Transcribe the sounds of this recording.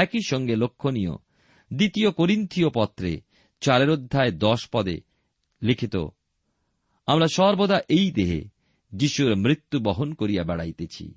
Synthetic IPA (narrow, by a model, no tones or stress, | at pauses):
ɛkiʃɔŋɡelokʰːonijo̰ | d̪it̪iokoɾint̪ʰijopɔt̪ːɾḛ | t͡ɕaɾeɾod̪ʱːaed̪ɔʃpɔd̪ḛ | likʰit̪o̰ | amɾaʃɔɾbod̪aʔejd̪eɦḛ | d͡ʑiʃuɾmɾit̪ːubɔɦonkoɾijabɛɽa̰jt̪et͡ɕʰḭ